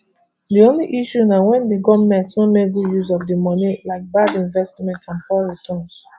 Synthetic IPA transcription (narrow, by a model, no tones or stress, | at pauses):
diõnliʔiʃunawɛ̃nbiɡɔmɛ̃tnõmekɡujuzɔvdimɔnilaɪk̚badĩɱvɛstmɛ̃ntãnfɔɹitʰɔ̃ns